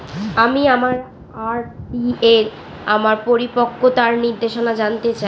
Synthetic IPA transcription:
amiamaɾ | aɾieɾ | amaɾpoɾipokːot̪aɾniɾd̪eʃonad͡ʑant̪et͡ɕa

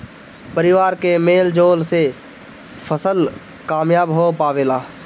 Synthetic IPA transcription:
pəɾɪʋaːɾkemeːld͡ʒoːlse | pʰəsəl | kaːmjaːbɦopaːʋeːlaː

